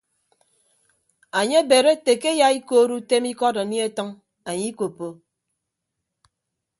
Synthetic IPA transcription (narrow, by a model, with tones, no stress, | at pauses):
a˨ɲe˦be˨ɾe˦te˨ke˦ja˨i˦ko˦ɾu˦te˦mi˦kɔ˦da˨ni˦e˦tɔ˦ŋ | a˨ɲi˦ko˨po˨